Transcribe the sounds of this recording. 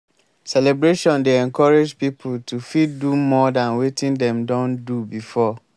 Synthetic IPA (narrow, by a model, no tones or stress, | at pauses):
sɛlɛbɾeʃɔ̃ndeɛ̃ŋkʰɔɾed͡ʒpipʰultʰufiddumɔdãnwetʰĩndɛ̃mdɔ̃ndubifɔ